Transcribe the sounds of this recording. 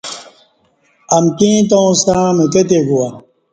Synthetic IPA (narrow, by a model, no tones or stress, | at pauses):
ɐmkĩːt̪̬õwsãːmet̪et̪̬eɡuwa